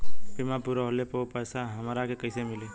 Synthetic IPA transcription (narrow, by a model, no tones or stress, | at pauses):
pimapuɾaɦolepopəːsaɦəmɾakekəɪsemɪle